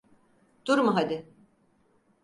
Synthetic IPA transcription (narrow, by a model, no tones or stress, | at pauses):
d̪̥uɾmuɦad̪ɪ